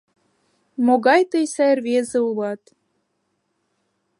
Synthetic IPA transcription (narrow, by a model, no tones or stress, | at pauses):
moɣɑjt̪ɤjsæjrβezĕulɑt̪